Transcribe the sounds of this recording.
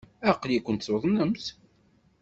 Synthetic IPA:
æqːljikʷːənt̪soðˤnəms

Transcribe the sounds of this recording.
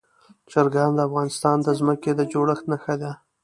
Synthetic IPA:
t͡ʃəɾɡand̪əafɣɑnɪst̪ɑnd̪əzməked̪əd͡ʒoɽəxt̪naxad̪a

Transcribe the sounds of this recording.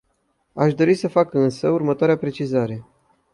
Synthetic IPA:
aʃd̪o̞ɾisəfakɨnsəurmət̪oaɾeapɾe̞t͡ʃizaɾe̞

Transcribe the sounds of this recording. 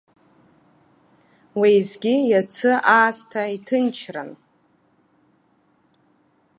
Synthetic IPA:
wejzɡʲijat͡sʰɨʔaːstʰaitʰɨnt͡ʃʰra̰n

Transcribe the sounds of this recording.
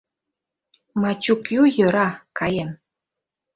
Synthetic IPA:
mɑt͡ɕukjujøɾɑkɑjem

